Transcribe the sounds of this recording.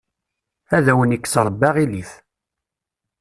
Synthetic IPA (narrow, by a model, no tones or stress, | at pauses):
æðæwənikːsɾˤəbːɑʁiliθ